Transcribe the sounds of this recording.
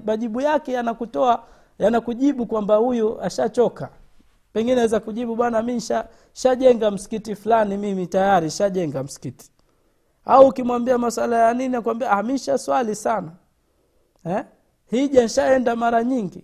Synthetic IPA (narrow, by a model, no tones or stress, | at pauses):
maʄiɓujakɛjanakutɔa | janakuʄiɓukwambahujuʔaʃat͡ʃɔka | pɛŋɡinɛawɛzakuʄiɓuɓwanaminʃa | ʃaʄɛŋɡam̩si̥kitifulanimimitajaɾiʃaʄɛŋɡam̩si̥kiti̥ | auːkimwambiamaswalajaniniakuambiahamiʃaswalisana | ɛ | hiʄanʃaɛndamaɾaɲiŋɡi